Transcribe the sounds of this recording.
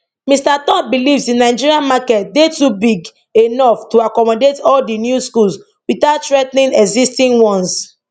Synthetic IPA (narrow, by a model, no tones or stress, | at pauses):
mĩstatɔ̃mbilivsĩnaɪd͡ʒiɾiãnmakɛt̚detubiɡ | enɔftuakɔmɔdetɔldinjuskuls | witaʊttɹɛtnĩnɛɡzistĩnwɔ̃ns